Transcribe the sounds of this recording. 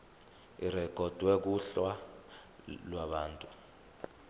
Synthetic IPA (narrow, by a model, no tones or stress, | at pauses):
irɛkɔd̥ʱwɛk̬uɬwa | lwaɓaːntʼu